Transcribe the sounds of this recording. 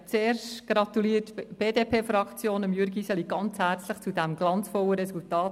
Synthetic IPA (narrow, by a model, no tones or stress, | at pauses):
t͡seːɾʃtɡ̥ɾɑt̪uliətb̥eːdeːpʰeːfɾɑkt͡sjoːnəmjʏɾɡisɛliɡ̥ɑnt͡shæːɾt͡sləχt͡sudæmɡ̥lɑnt͡sfɔlːəɾɛsultɑːt